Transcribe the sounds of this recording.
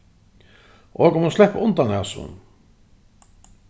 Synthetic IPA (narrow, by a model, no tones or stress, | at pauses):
ʔɔkʊmhunslɛhpaʊnt̪anhasʊ̰n